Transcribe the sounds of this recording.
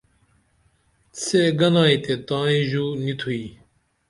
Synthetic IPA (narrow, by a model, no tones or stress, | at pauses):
t͡sʰeːɡɐnãːit̪et̪ãːĩʑuːnit̪ʰui